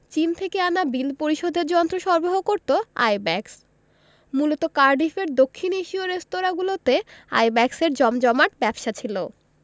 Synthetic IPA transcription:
t͡ɕint̪ʰekeanabild̪poɾiʃod̪ʱeɾd͡ʑɔnt̪ɾoʃɔɾboɦokoɾt̪oa̰jbɛks | mulot̪okaɾɖifeɾd̪okʰːineʃioɾest̪oɾaɡulot̪ea̰jbɛkseɾd͡ʑɔmd͡ʑɔmaʈbɛbʃat͡ɕʰilo

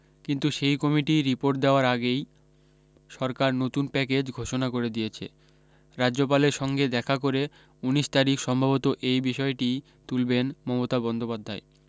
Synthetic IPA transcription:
kint̪uʃejkɔmiʈiɾipoɾʈ̚d̪eoaɾaɡej | ʃɔɾkaɾnot̪unpɛk̬ed͡ʑɡʱoʃonakoɾed̪ijet͡ɕʰḛ | ɾad͡ʑʑopaleɾʃɔŋɡed̪ɛkʰakoɾe | uniʃt̪aɾikʃɔmbʱabot̪oʔejbiʃɔeʈi | t̪ulbenmɔmot̪abɔnd̪opad̪ʱːae

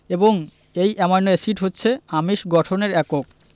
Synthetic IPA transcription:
eboŋ | ejʔɛmɔnːoesiʈɦotːɕʰeamiʃɡɔʈʰoneɾɛkok̚

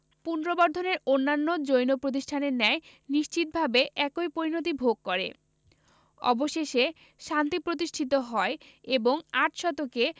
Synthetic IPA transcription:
punɾobɔɾd̪ʱoneɾonːanːod͡ʑojnopɾot̪̬iʃʈʰaneɾnɛe | niʃt͡ɕit̪̚bʱabeʔɛkojpoɾinot̪̬ibʱoɡ̚kɔɾḛ | ɔ̰boʃeʃe | ʃant̪ipɾot̪̬iʃʈʰit̪̬oɦɔe | eboŋaʈʃɔt̪oke

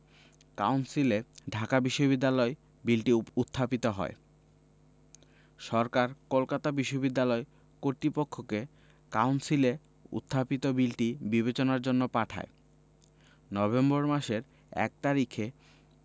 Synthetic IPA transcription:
kawnsileɖʱakabiʃːobid̪ːalɔe | bilʈiut̪ʰːapit̪oɦɔ̰e | ʃɔɾkaɾkolkat̪abiʃːobid̪ːalɔe | koɾt̪ɾipokʰːoke | kawnsile | ṵt̪ʰːapit̪obilʈibiβet͡ɕonaɾd͡ʑonːopaʈʰa̰e | nɔbemboɾmaʃeɾ | ɛ̰k̚t̪aɾikʰe

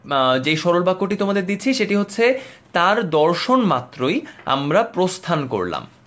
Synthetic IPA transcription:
d͡ʑejʃɔɾolbakːoʈit̪omad̪eɾd̪it͡ɕʰiʃeʈiɦotːɕʰet̪aɾd̪ɔɾʃonmat̪ːɾoja̰mɾapɾost̪ʰanko̰ɾla̰m

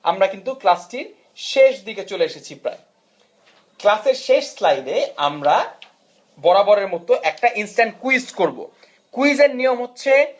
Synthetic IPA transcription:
a̰mɾakint̪uklasʈiɾ | ʃeʃd̪iket͡ɕoleeʃet͡ɕʰipɾa̰e | klaseɾʃeʃslajd̪eamɾa | bɔɾabɔɾeɾmɔt̪oʔɛk̚ʈaʔinsʈaɳʈkuisʈkoɾbo̰ | kuid͡ʑeɾnijomɦotːɕʰe

